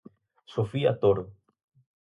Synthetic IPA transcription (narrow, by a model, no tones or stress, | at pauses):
sofia̰t̪oɾo